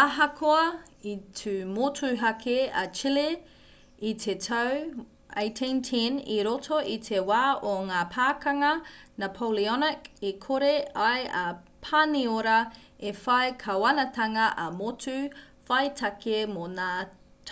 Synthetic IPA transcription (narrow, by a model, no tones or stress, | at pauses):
ɐɦɐkʰoɐ | itʰʉmotʰʉɦɐkʰeɐt͡ʃile | itʰetʰɐw | ejtʰĩntʰinḭɾotʰoʔit̪ʰewaːoŋaːpʰaːkɐŋɐnapʰowliɔnɐkikʰoɾeɐjɐ | pʰanioɾɐ | efɐjkʰɐwɐnɐtɐŋɐʔɐmotʉ | fɐjtʰɐkemonaː | tʰ